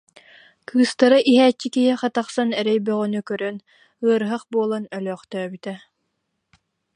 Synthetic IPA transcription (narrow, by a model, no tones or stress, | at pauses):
kʰɯːst̪aɾɯʔiɦæːt͡ɕːikiɦiχɑt̪aχsanɛɾɛjbœʁœnykœɾœn | ɯɐɾɦɯχbuɔlˠanœlœːχt̪œːbyt̪ɛ